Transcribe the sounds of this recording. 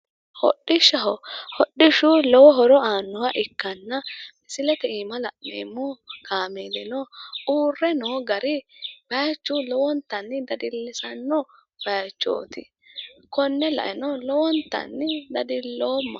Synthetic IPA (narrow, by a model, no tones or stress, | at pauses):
hɔ̰ɗːɪʃɐɦɔhɔɗːɪʃʊlɔwɔɦɔɾɔaːnːɔwaʔɪkːɐnːɐmɪsɪlɛt̪ɛiːmɐlɐʔmḛːmːɔkaːmeːd̪ɛnɔuːrːɛnoːɡɐɾɪbɐjt͡ʃːʊlɔwɔnt̪ːɐnːɪd̪ɐd̪ɪlːɪsɐnːɔ | b̥ɐjt͡ʃːo̰ːt̪ɪ | kɔnːɛlɐ̰ʔɛnɔlɔwɔnt̪ːɐ̰nːɪd̪ɐd̪ɪlːoːmːɐ